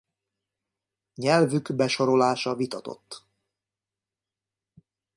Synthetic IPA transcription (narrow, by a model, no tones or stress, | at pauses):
ɲɛlvyɡbɛʃo̞ɾo̞laːʃɒvit̪ɒt̪o̞̰t̪ː